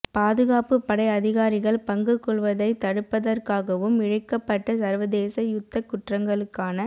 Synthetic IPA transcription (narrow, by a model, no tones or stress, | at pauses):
paːðɯɣaːpɯpːɐɽɐɪɐðɪɣaːɾɪɣɐɭpɐŋɡɯkːɔɭʋɐðɐɪt̪ɐɽɯpːɐðɐrkaːɣɐʋɯmɪɻɐkːɐpːɐʈːɐsɐɾʋɐðeːsɐjʊt̪ːɐkːʊʈrɐŋɡɐɭɯkːaːnɐ